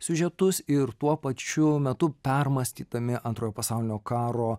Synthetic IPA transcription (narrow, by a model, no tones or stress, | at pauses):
sʲʊʒʲɛt̪ʊsɪɾt̪uɔpɐt͡ʃʲʊmʲɛt̪ʊpʲɛrmɐsʲt̪ʲiːt̪ɐmʲɪʔɐnt̪ɾoːjoːpɐsɑʊlʲɪnʲoːkɑːɾoː